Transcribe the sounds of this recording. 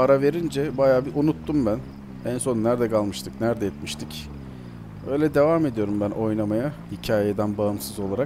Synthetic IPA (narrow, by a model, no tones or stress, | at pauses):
aɾave̞ɾind͡ʒɛbajaːbiʔunut̪ːumbæn | ænso̞nːæɾd̪ɛkʰalˠmɯʃt̪ʰɯknæɾd̪ɛjɛt̪̚miʃt̪ʰic | ø̞ːjlʲɛd̪e̞vaːme̞d̪ijo̞ɾumbænʔo̞jnamajahicʰaːjed̪ænbaɯmsɯzo̞lˠaɾa